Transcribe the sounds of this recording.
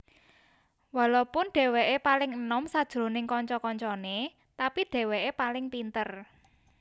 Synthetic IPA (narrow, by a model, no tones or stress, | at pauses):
walopʊnɖ̥e̤weʔepalɪŋənɔmsad̥ʒ̥ɾo̤nɪŋkɔɲt͡ʃɔkɔɲt͡ʃɔne | t̪apiɖ̥e̤weʔepalɪŋpint̪ər